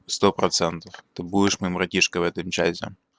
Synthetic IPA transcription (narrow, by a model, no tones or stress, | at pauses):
st̪ɔpɾɔt̪sɛnt̪ɐft̪ɪbuɪʃmɪmɾɐtʲiʃkɐʋɛt̪ɪmt͡ʃa̰sʲɛ̰